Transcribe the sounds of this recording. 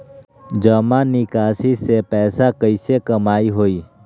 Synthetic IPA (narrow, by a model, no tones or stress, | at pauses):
d͡ʒəmãnikaːsisepɛːsakəɪsekəmaːiɦoːiː